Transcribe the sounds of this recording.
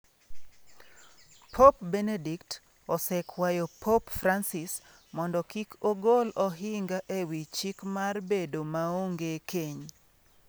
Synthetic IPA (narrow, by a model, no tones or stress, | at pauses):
pʰɔpbɛnedikt | ɔsɛkʰwajopʰɔpfransɪs | mɔndɔkikʰoɡolɔɦɪŋɡaʔewit͡ʃikmarbedomaoŋɡekʰeɲ